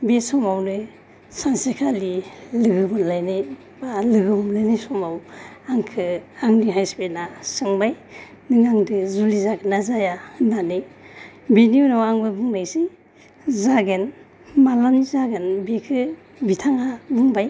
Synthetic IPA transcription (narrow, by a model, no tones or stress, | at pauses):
besɔmawnɯ | sansekʰalilɯɡɯbɯnlajnɯj | balɯɡɯmlɯnajsɔmawaŋkʰɯaŋniɦajspenasɯŋbaj | nɯŋaŋdɯzulizaɡɯnazajananɯ | beniunawaŋbɯbɯŋnajsi | zaɡɯn | malɔnizaɡɯnbekʰɯ | bitʰaŋabɯŋbaj